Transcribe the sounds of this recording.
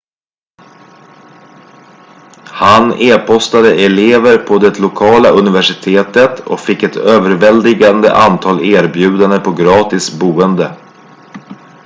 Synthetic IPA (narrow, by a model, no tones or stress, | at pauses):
haneːpʰɔst̪ad̪əʔɛleːvəɾpʰɔd̪ɛt̪ʰlʊkʰɑːlaʔɵnɪvæʂɪt̪ʰeːt̪ət̪ɔ̰kfɪkːɛt̪ʰøːvəɾvɛld̪ɪɡand̪ə̰ʔant̪ʰɑːleːɾbjʉ̟ːd̪and̪əpʰɔɡɾɑːt̪ɪsbuːənd̪ə